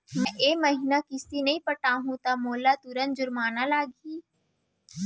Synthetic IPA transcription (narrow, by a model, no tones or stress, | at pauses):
mɛ̃ʔeːmɐɦinakɪst̪inɐĩpɐʈaɦũt̪amoːlat̪ʊɾənd͡ʒʊɾmaːnalaːɡiː